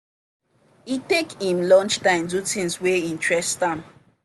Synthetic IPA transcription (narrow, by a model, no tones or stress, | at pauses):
itekĩmlɔ̃nt͡ʃtãɪ̃mdutĩnsweĩntɹɛsdãm